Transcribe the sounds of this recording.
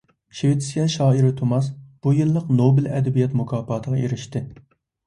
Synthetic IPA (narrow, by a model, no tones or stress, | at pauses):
ʃewɪt̪ʰsjɑʃɑːiɾɪt̪ʰomɑsb̥ujɨlˠːəqnobɪlɛ̰d̪ɛbijɛt̪mukʰɑːpʰɑːt̪ʰəʁɑeɾɪʃt̪ɪ